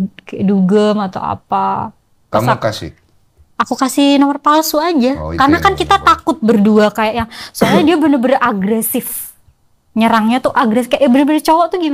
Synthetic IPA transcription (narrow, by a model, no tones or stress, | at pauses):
kaduɡəmat̪a̰wa̰pa | asakas | akukasɪnɔmərpalsuad͡ʒakarənakankit̪at̪akʊt̪̚bərduakajaʔjaŋsuaɲadiabənəbəraɡɾɛsɪf | ɲəɾaŋɲat̪uʔaɡɾɛsɪfkajaʔjabənəbəɾət͡ʃowɔt̪uhɡim